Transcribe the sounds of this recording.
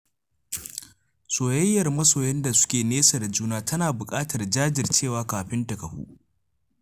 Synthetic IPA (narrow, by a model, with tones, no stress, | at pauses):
soː˨jɐ˦jːɐ˨rmɐ˦soː˨jɛ˦nda˨sʊ̥˦kʲeː˨neː˦sɐ˨dd͡ʒuː˦naː˦tʰɐ˦naː˨bʊ˨kʼaː˦tɐ˨rd͡ʒaː˦d͡ʒɪ˨rt͡ʃeː˦˨waː˦kaː˨ɸɪ˦ntɐ˨kɐ˨ɸṵː˦ʔ